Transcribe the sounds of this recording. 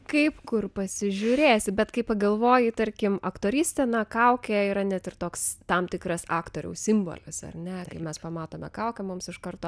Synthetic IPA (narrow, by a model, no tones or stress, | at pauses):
kɐɪpkʊrpɐsʲɪʒʲʊːɾʲeːsʲbʲɛt̪kɐɪpɐɡɐlˠʋoːjɪt̪ɐɾʲkʲɪmɐkt̪oːɾʲɪːsʲt̪ʲɛnɐkɐʊkʲɛiːɾɐnʲɛt̪ɪrt̪oːkst̪ɐmt̪ʲɪkrɐsɑːkt̪oːɾʲɛ̰ʊsʲɪmbo̰lʲɪsɐ̰rʲnʲɛkɐɪmʲɛspɐmɑːt̪oːmʲɛ̰kɐʊkʲɛmʊmsɪʃkɐrt̪oː